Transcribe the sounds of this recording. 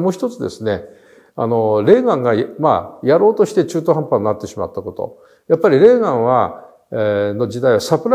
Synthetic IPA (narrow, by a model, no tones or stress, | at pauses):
mo̞ːçʲi̥t̪o̞t͡sɨd̪e̞̰sɨne̞ | a̰no̞ɾe̞ːɡãŋɡama̰jaɾo̞ːt̪o̞ɕi̥t̪e̞t͡ɕɨːt̪oɦãmpanːnat̪ːe̞ɕima̰t̪ːako̞t̪o̞̰ | japːaɾʲiɾe̞ːɡãɰ̃βa | no̞d͡ʑid̪aiβasapɯ̟ɾ